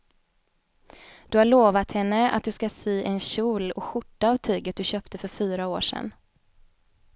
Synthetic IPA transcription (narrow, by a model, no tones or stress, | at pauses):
d̪̥ɵhaɭoːvat̪hɛnːəa̰t̪̚d̪ɵskasyːʔɛnɕuːlɔ̰ɧʊʈːaːvt̪ʰyːɡət̪̚d̪ɵɕœːpt̪əfœɾfyːɾaoːʂɛ̰n